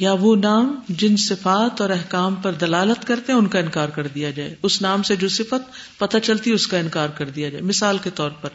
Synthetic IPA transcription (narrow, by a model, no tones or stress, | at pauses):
jaʋonaːmd͡ʒɪnsɪfaːt̪ɔːɾɛɦkaːmpɐɾd̪ɐlaːlət̪kɐɾt̪eɦɛ̃ʊnkaɪnkaːɾkɐɾd̪ijad͡ʒaːḛʊsnaːmsed͡ʒoːsɪfət̪̚pɐt̪at͡ʃɐlt̪iʊskaɪnkaːɾkɐɾd̪ijad͡ʒaːemɪsaːlket̪ɔːɾpɐɾ